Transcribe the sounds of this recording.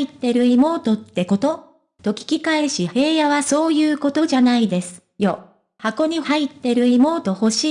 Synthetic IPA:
it̪ːe̞ɾɯ̟imo̞ːt̪o̞t̪ːe̞ko̞t̪o | t̪o̞kʲi̥kʲikaeɕihe̞ːjaβaso̞ːjɯ̟ːko̞t̪o̞ʑanaid̪e̞sɨ̥ | jo | hako̞ɲ̟ihait̪ːe̞ɾɯ̟imo̞ːt̪o̞ho̞ɕiː

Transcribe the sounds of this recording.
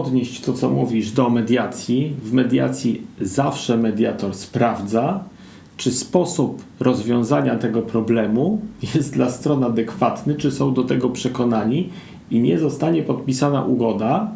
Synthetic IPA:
ɔd̪ɲeɕt͡ɕt̪ɔt̪sɔmuvʲiʐd̪ɔmɛd̪ʲjat̪sʲjivmɛd̪ʲja̰t̪sʲjizafʂɛmɛd̪ʲjat̪ɔɾspɾavd̪za | t͡ʂɘspɔsupɾɔzvʲjɔ̃w̃zaɲat̪ɛɡɔpɾɔblɛmujɛst̪̚d̪last̪ɾɔnad̪ɛkfat̪nɘt͡ʂɘsɔ̃w̃d̪ɔt̪ɛɡɔpʂɛkɔnaɲi | iɲɛzɔst̪aɲɛpɔt̪̚pʲisana̰ʔuɡɔd̪a

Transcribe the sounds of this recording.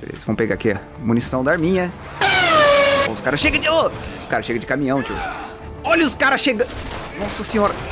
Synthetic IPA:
ḛlɪz̥vɐ̃w̃peɡa̰kiɐ | munisɐ̃w̃d̪ɐaɾmĩɲɐ | o̰ʊskaɾɐʃeɡɐ̃d͡ʒoʊskaɾɐʃeɡɐ̃d͡ʒɪkamĩɲɐ̃w̃t͡ʃḭ | ɔlɐʊskaɾɐʃeɡɐ̃nɔsɐsẽɲoɾ

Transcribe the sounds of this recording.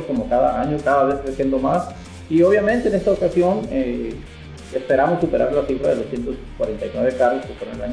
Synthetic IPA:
sko̞mo̞kaða̰aɲo̞kaðaβe̞skɾesjend̪o̞mas | ioβ̞jament̪eːnest̪aokasjo̞ne | espe̞ɾamo̞sːupe̞ɾa̰ɾlasifɾaðelosje̞nt̪oskwa̰ɾe̞nt̪ajnwe̞βe̞karoskefwe̞ɾonelaɲ

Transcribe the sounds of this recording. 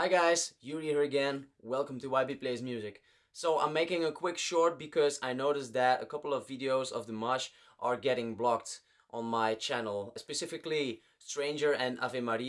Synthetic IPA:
aɪɡaɪzjɨɹiə˞ɨɡɛ̃nwɛlˠkə̃m̩tɨwaɪbipʰl̥eɪzmjʉzɪk | soʊãɪ̃meɪkɪ̃ŋəkʰw̥ɪkʃɔɹt̚b̥ɨkʰʌzaɪnoʊɾɨsðɨɾə̰kʰʌpl̩ˠʌvɪɾioʊzʌ̰vðəmʌʃ | ʔə˞ɡɛɾɪ̃ŋblɑk̚t | ʔn̩maɪt͡ʃʰænl̩ˠspɨsɪfɨkli | stɹ̥ẽɪ̃nd͡ʒə˞ʔɨ̃na̰vɪmaɾi

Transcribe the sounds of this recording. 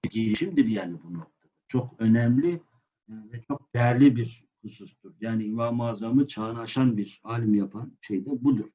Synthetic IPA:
ɟiɾiʃimd̪iɾjaːnibunok̚t̪ʰad̪at͡ʃʰo̞kʰø̞nɛmlʲi | vɛt͡ʃʰo̞k̚d̪̥ɛjæɾlʲibiɾ | kʰusust̪uɾjaːniinvaːmaːzamɯt͡ʃʰaːnaːʃanbiɾaːlʲimjapʰanʃejd̪ɛbud̪uɾ̥

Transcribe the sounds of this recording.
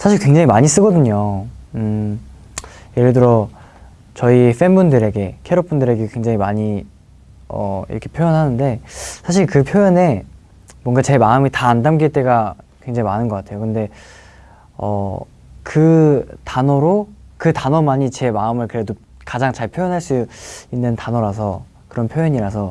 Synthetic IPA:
sʰaɕ̬ʰiɭkwe̞ŋd͡ʑaŋimaɲis͈ɯɡʌdɯɲoɯ | je̞ɾɯɭdɯɾʌ | t͡ɕʌif͈e̞nbundɯɾe̞ɡe̞kʰeɾop͈undɯɾe̞ɡekwe̞ŋd͡ʑaŋimaɲi | ʌ̰ḭɾʌkʰe̞pʰjojʌnɦanɯnde̞sʰaɕ̬ʰiɭkɯpʰjojʌne̞ | mwʌŋɡat͡ɕe̞maɯmitaːndamɡiɭt͈e̞ɡakwe̞ŋd͡ʑaŋimanɯnɡʌk͈atʰe̞jokɯnde̞ | ʌ̰ | kɯtanʌɾokɯtanʌmaɲit͡ɕe̞maɯmɯɭkɯɾe̞do | kad͡ʑaŋt͡ɕaɭpʰjojʌnɦaɭs͈uinːɯntanʌɾas̬ʰʌ | kɯɾʌnpʰjojʌɲiɾasʰʌ

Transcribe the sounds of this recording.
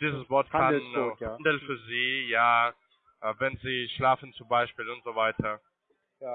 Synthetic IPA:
d̥iːzəsv̥ɔɐtkʰanhandl̩fyːɐziːjaː | ʔvɛnziːʃlaːfn̩t͡sʊmbaɪʃpiːlʊntz̥ovaɪtʰɐ

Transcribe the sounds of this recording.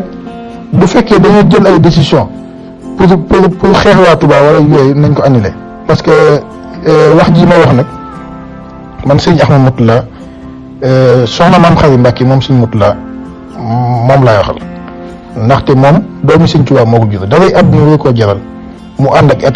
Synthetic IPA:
bufɛkːɛdɐjiɟɐnɐldesisjɔ̃ | pupupuɾxɛːxwaːtubawɐlɐjɛjnɐɲkɔɐnːilɛ̰ | pɐskə | wɐxɟiːmɐwɔxnɐk̚ | mɐnsɛɲɐxmɐmutːula | sɔnɐmamxɐɾimbakːimɔːmsinmutːulɐ | mɔːmlajwɔxɐ̰l | ndɐxtɛmɔːmdɔːmisɛɲt͡ʃuwaːmɔːkɔɡutɐdɐfɐjʔɐb̚niɲwɐikɔɟɐɾɐl | muʔandɐkɛt

